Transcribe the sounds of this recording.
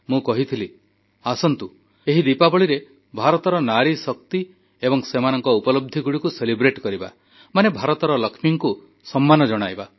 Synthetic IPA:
mũkɔɦit̪ʰili | asɔnt̪u | eɦid̪ipabɔɭiɾe | bʱaɾɔt̪ɔɾɔnaɾisɔk̚t̪i | ebɔŋsemanɔŋkɔupɔlɔb̚d̪ʱiɡuɽikuselibɾeʈkɔɾiba̰ | manebʱaɾɔt̪ɔɾɔlɔkʰmiŋku | sɔmːanɔd͡ʒɔɽ̃ajba

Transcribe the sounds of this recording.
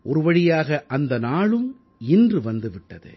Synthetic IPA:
ʔɔɾɯʋɐɻɪjaːɣɐʔɐnd̪ɐnaːɭɯm | ɪndrɯʋɐnd̪ɯʋɪʈːɐðɯ̰

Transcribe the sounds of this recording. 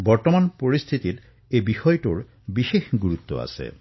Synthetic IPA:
bɔɹt̪omanpoɹist̪ʰit̪iɾ | ebixɔjʈuɹ | bixexɡuɾut̪ːo̰a̰sḛ

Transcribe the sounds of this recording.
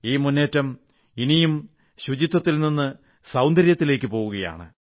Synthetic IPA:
iːmunːe̞ːtːɐm | inijum | ɕud͡ʑit̪ːɐt̪ːilninːɨ | sɐwnd̪ʱɐɾjɐt̪ːile̞ːkʲːɨpo̞ːɣuɣɐja̰ːɳɨ

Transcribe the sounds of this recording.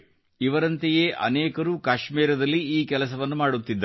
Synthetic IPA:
iʋɐɾɐnt̪ejeːʔɐ̰nɛːkɐɾuːkaːʃmiːɾɐd̪ɐlːiiːkɛlɐs̬ɐʋɐnːumaːɽut̪ːid̪ː

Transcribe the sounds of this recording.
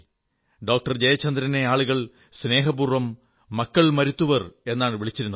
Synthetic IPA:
ɖo̞ːk̚ʈɐrd͡ʑejɐt͡ɕːɐnd̪ɾɐne̞aːɭuɣɐɭ | sne̞ːɦɐbuːrʋɐmː | ɐkːɐɭmɐɾut̪ːuʋɐre̞nːaːɳɨʋiɭit͡ɕːiɾunː

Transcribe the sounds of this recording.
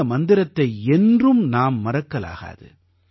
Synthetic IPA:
ɐmɐnd̪ɪɾɐt̪ːɐɪɛndrɯmnaːmːɐɾɐkːɐla̰ːɣa̰ːðɯ̰

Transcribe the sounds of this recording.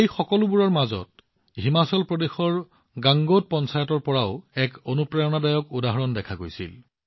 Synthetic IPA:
ejxɔkɔlʊbuɹɔɹmazɔ̰t̚ | ɦimasɔlpɹɔdexɔɹ | ɡaŋɡot̚pɔnsajɔtɔɹpɔɹaʊɛkonupɹajɔnadajɔkudaɦɔɹɔndɛkʰaɡo̰jsḭl

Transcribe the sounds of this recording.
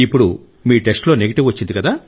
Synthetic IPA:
ipːuɽu | miːʈe̞sʈlo̞ːne̞ɡeʈiʋʋɐt͡ʃːind̪ikɐd̪aː

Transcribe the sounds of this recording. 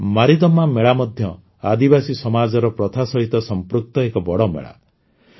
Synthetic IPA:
maɾid̪ɔmameɭamɔd̪ʱjɔ | ad̪ibasisɔmad͡ʒɔɾɔpɾɔt̪ʰasɔɦit̪ɔsɔmpɾuk̚t̪ɔekɔbɔɽɔmḛɭa̰

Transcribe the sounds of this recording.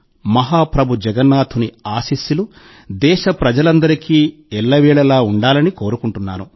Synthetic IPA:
mɐɦaːpɾɐbʱud͡ʒɛɡɐnːaːt̪ʰuniaːsiːsjulu | d̪ɛːʃɐpɾɐd͡ʒɐlɐnd̪ɐɾikiː | ɛɭːɐʋɛːɭɐlaːuɳɖaːlɐniko̞ːɾukuɳʈunːa̰ːɾu

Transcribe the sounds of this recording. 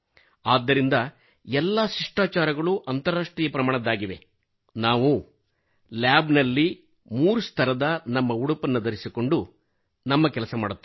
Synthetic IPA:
aːd̪ːɐɾind̪ɐ | ɛlːaʃɾiʂʈaːt͡ʃaːɾɐɡɐɭuʔɐnt̪ɐɾaːʂʈɾijɐpɾɐmaːɳɐd̪aːɡiʋe̞̰ | naːʋu | laːbnɐlːi | muːɾust̪ʰɐɾɐd̪ɐnɐmːɐuɽupɐnːɐd̪ɐɾisiko̞ɳɖu | nɐmːɐkɛlɐsɐma̰ːɽut̪ː

